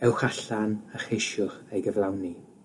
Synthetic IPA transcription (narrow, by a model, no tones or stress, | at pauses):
ɛwχaɬanəχejʃʊχejɡəvlˠawni